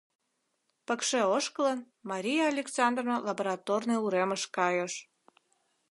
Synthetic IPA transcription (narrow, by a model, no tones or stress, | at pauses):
pə̆kʃĕoʃkələn | mɑɾʲijɑːlʲeksɑnd̪ronolɑboɾɑt̪ornəjuɾeməʃkɑjoʃ